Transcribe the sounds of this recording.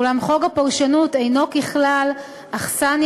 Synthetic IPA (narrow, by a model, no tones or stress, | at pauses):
ulamχo̞ɡapaʁʃanutejno̞kiχlal | aχsan